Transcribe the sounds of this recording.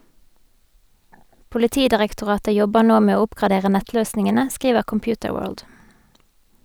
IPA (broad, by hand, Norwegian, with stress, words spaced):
pʊlɪˈtiːdɪʁɛktʊˌʁɑːtə ˈjɔbəʁ ˈnoː ˈmeː ˈoː ˈʊpkʁɑˌdeːʁə ˈnɛtˌløːsnɪŋənə ˈskʁiːʋəʁ kɔmˈpjʉːtəˌwøːɹld